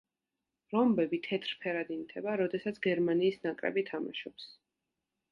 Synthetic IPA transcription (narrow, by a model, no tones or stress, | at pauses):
ɾɔmbɛbit̪ʰɛt̪ʰɾpʰɛɾad̪int̪ʰɛbaɾɔd̪ɛsat̪sʰɡɛɾmaniːsnakʼɾɛ̰bit̪ʰama̰ʃɔps